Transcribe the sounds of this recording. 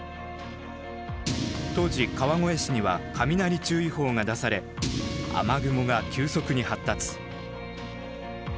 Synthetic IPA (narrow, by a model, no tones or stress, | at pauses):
t̪o̞ːʑikaβaŋo̞e̞ɕiɲ̟iβa̰kʰamʲinaɾʲit͡ɕɨːiho̞ːŋad̪asaɾe̞ | a̰maɡɯ̟mo̞ɡakʲɨːso̞kɯ̟ɲ̟ihat̪ːat͡sɨ̥